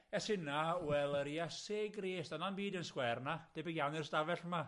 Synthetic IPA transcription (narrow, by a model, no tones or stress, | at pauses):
ɛsɪnawɛlˠəɾiaseːɡreːsd̥ananbiːdənskwɛrnad̥ebɪɡjawnɪrsdavɛɬma